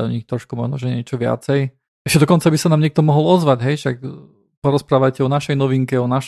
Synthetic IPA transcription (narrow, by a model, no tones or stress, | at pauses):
ɲixt̪ɾɔʃkumɔ̰ʒnɔʒɛɲɛt͡ʃɔʋɪa̰t͡sɛj | ɛʃcɛd̪ɔkɔnt͡sabisanaːmɲɛk̚t̪ɔmɔɦɔlɔzʋaɟɦɛjʃak | pɔɾɔspɾaːʋajcɛɔnaʃɛjnɔʋiŋkɛɔnaʃ